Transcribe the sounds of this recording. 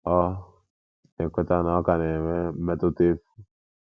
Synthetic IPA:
ɔ˦ | ne˨kʷe˦ta˦nɔ˦ka˨ne˨me˦mɛ˦to˦te˦fu˦

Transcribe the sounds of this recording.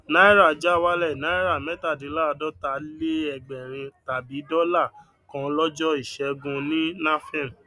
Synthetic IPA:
na˦i˦ɾa˦˨d͡ʒa˦wa˦lɛ˦˨na˨˦i˦ɾa˦˨mɛ˦ta˦˨di˨˦la˦˨˧dɔ˦ta˨le˦ɛ˧ɡ͡bɛ˨ɾ̃ĩ˧ta˨bi˨˦dɔ˦la˦˨ | kɔ̃˧˦lɔ˦d͡ʒɔ˦i˦˨ʃɛ˧˦ɡũ˧nĩ˦nã˦fɛ̃˦˨m˨

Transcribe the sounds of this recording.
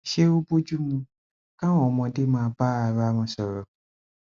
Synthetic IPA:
ʃe˦o˦bo˦d͡ʒu˦mũ˧ | kã˦wɔ̃˨mɔ̃˧de˦mãː˦˧ba˦a˨ɾa˦mɔ̃˧sɔ˨ɾɔ˨

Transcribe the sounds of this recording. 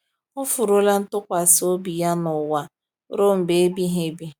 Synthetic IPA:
ʊ˦fʊ˨ɾo˦la˦n̩˦tʊ˦kʷa˨so˦bi˨ja˦nʊ˨wa˦ | ɾo˦m̩˨be˨˦bi˦ɦe˦bi˦

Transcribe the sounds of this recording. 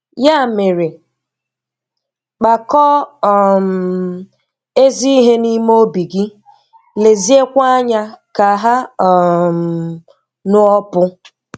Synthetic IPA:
ja˦˨me˨ɾe˨ | k͡pa˨kɔ˦˨m̩˨ | e˦zi˦i˦ɦe˦ni˦mo˦bi˨ɡi˦ | le˨zi˦e˦kʷa˦ɲa˦ka˨ɦa˦˨ | m˨ | nʊ˦ɔ˦pʊ˦

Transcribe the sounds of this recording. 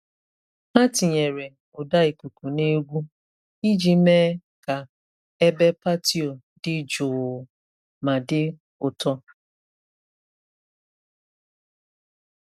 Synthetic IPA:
a˦tɪ˨ɲe˨ɾe˨ | ʊ˨da˦i˨ku˨ku˨ne˦ɡʷu˦ | i˦d͡ʒi˦meː˦ | ka˨ | e˦be˦pa˦ti˦o˨ | dɪ˦d͡ʒʊ˨ | ma˨dɪ˦ | ʊ˨tɔ˦

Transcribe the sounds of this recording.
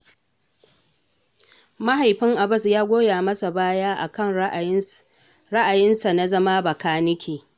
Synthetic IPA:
ma˦ɦa˨jɸɪ˦ŋʔa˨bɐ˦˨sjaː˦ɡʷoː˦jaː˨mɐ˦sa˨baː˦jaː˦ʔa̰˨kɐ˦˨ŋ | ɾɐ˦ʔa˨jɪ˦nsa˨na˦zɐ˦ma˦bɐ˨kaː˦nɪ˦kʲʰeː˨

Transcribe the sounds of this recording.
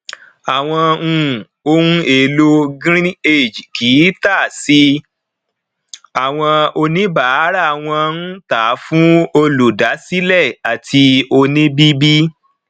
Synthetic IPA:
a˨w̃ɔ̃˧ũ˧˨ | o˦n˦e˧˨lo˦ɡɾĩ˦e˦˨d͡ʒi˨ki˨˦ta˦˨si˦ | a˨w̃ɔ̃˧o˧nĩ˦ba˦˨˦ɾa˦˨w̃ɔ̃˧n̩˦taː˨˦fũ˦o˧lu˨da˨˦si˦lɛ˦˨a˨tʰi˧o˧nĩ˦bi˦bi˦

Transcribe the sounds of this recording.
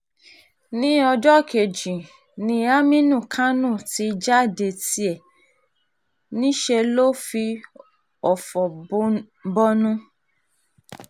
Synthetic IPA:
nĩ˦ɔ˧d͡ʒɔ˦˨kʰe˨d͡ʒĩ˨ | nĩ˧a˦mĩ˦nũ˦˨kʰã˦nũ˦˨ti˧d͡ʒa˦˨de˧˨ti˧ɛ˨ | nĩ˦ʃɛ˧lo˦fi˧ | ɔ˨fɔ˨˦ | bɔ˦nũ˦

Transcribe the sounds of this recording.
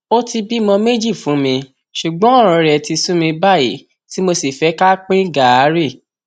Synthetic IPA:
o˦ti˧bi˦mɔ̃˧me˦d͡ʒi˦˨fũ˨˦mĩ˧ | ʃu˨ɡ͡bɔ̃˨˦ɔ˦˨ɾ̃ɔ̃˧ɾɛ˨˧ɛ˧˨ti˧sũ˦mĩ˧ba˦˨jḭ˨˦ | ti˨˦mo˧si˨fɛ˨˦ka˦k͡pĩ˦ɡa˨a˨˦ɾi˦˨

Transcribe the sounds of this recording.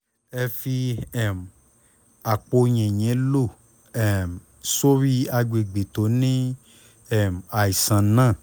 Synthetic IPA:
ɛ˧fi˧ɛ˦˨m˨ | a˨k͡po˧ɲɛ̃˨ɲɛ̃˨˦lo˦˨ | ɛ˦˨m˨ | so˦ɾi˦a˧ɡ͡be˨ɡ͡be˨to˨˦nĩ˦ | ɛ˦˨m˨a˨i˨sã˨nãː˦˨

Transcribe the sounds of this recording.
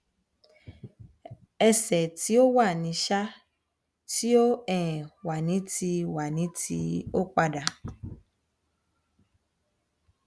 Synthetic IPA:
ɛ˧sɛ˨ti˨˦o˦wa˦˨nĩ˨˧ʃa˦ | ti˦o˦ɛ̃˦˨wa˨nĩ˨˦tʰi˧wa˨nĩ˨˦tḭ˧o˦k͡pa˧ɖa˨

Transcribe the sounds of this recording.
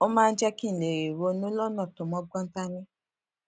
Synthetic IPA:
o˦mãː˦˧˦d͡ʒɛ˧ki˦n̩˨le˨ɾe˨wo˧nũ˦lɔ˦nã˦˨to˨mɔ̃˧˦ɡɔ̃˦n̩˦ta˦nĩ˦

